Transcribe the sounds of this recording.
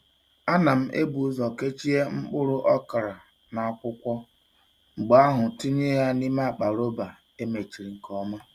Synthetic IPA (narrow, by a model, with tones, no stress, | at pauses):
a˦na˨m̩˦ʔḛ˦bu˨˦zɔ˨ke˦t͡ʃi˦e˦ŋ͡m̩˦k͡pʊ˦ɾʊ˦ʔɔ˦ka˨ɾa˨ | na˨a˦˨kʷʊ˦kʷɔ˦ | ŋ͡m̩˨ɡ͡ba˨˦a˦ɦʊ˨ti˦ɲe˦ja˦ni˦ma˦a˨k͡pa˨ɾo˦ba˨ | e˦me˨t͡ʃi˨ɾi˨ŋ̩˨kɔ˦ma˦